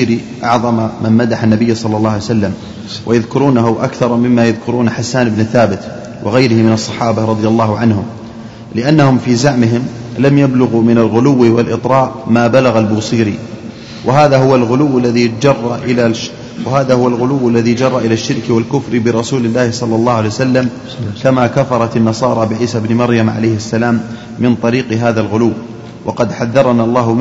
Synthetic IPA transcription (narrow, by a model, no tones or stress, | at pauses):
ɾi | ʔɑ̰ʕðˤɑmamanmad̪aħanːabɪjːsˤɑlːɑlːɑːʕajsalːam | wʔajaðkʊɾuːnaɦʊʔakθɑɾˤmɪmːajaðkʊɾuːnħasːaːnɪbnɪθaːbɪt̪ | wʔɪɣajɾɪhɪmɪnɑsˤːɑħɑːbaɾˤɑðˤɪjalˤːɑːhʊʕanhʊm | lɪʔanːahʊmfiːzaʕmɪɦɪm | lamjablʊɣumɪnalɣʊlʊwːiwɪlʔɪt̪ˤɾɑːʔmaːbalaɣalbʊːsˤiːɾi | wʔaɦaːðaɦʊwalɣʊlʊwːalːaðid͡ʒɑrˤːɑʔɪla | wɪhaːðahʊwalɣʊlʊwːalːaðid͡ʒɑrˤːɑʔɪlaʃːɪɾkwalkʊfɾbɪɾˤɑsuːlɪlːaːhɪsˤɑlːɑlˤːɑːhʊʕaljsalːam | kamakafɑɾˤɑt̪anːɑsˤɑːɾˤɑbɪʕiːsabnɪmɑɾjamʕa̰lajhɪsːalaːmː | ɪnt̪ˤɑɾiːqɦaːðalɣʊlʊwː | wʔɑqɑd̪ħaðːɑɾˤɑnalˤːɑːhʊ